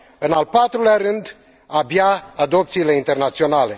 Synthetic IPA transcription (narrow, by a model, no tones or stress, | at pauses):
ɨnalpat̪ɾuleaɾɨnd̪ | abjaːd̪o̞p̚t̪siːle̞int̪e̞rnat̪sio̞nale̞